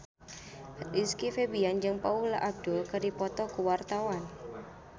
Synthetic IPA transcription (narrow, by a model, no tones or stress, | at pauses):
iskifebiand͡ʒɨŋpaula̰ʔab̚d̥ʊlkadipɔt̪ɔkuwart̪awan